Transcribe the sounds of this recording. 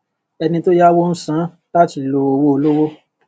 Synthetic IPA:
ɛ˧nĩ˧to˦ja˦wo˦ñ̩˦sã˦ | la˦ti˨lo˧o˧wo˦o˧lo˦wo˦

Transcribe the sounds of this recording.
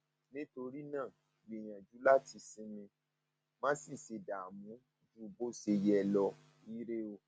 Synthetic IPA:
nĩ˦to˧ɾi˦nãː˦˨ | bi˦˨j̃ã˨d͡ʒu˨˦la˦ti˧sĩ˦mĩ˧ | mãː˦si˦˨se˧˨da˨mũ˨˦ | d͡ʒu˦bo˦se˧jɛ˦˧lɔ˧ | i˦ɾe˦o˧

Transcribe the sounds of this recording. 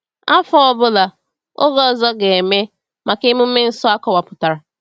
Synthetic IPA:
a˦fɔ˦ɔ˦bʊ˦la˨ | o˦ɡɔ˦ɔ˨zɔ˦ɡe˨e˨me˦ | ma˨ke˦mu˦me˦n̩˦sɔ˦a˦kɔ˨wa˨pʊ˨ta˨ɾa˨

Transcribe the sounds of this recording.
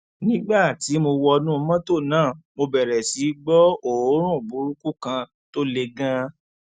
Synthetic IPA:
nĩ˦ɡ͡ba˦˨ti˨˦mo˧wɔ˧nũ˦mã˦to˦˨nãː˦˨mo˧bɛ˨ɾɛ˨si˨˦ɡ͡bɔ˦o˦˨˦ɾ̃ũ˦˨bu˨˦ɾu˦ku˦kã˧ | to˦le˧ɡã˦

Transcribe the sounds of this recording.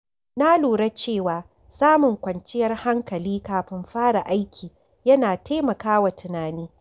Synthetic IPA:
na˦luː˨ɽɐ˦t͡ʃeː˦˨waː˨ | saː˦mʊ˨ŋkʷɐ˨nt͡ʃɪ˦jɐ˦rha˦ŋkɐ˨liː˦kaː˨ɸɪ˦mɸaː˦ɽa˨ʔa˦jkʲʰiː˨ | jɐ˦naː˨tʰeː˦mɐ˨kaː˦wa˨tɪ˨naː˨niː˦

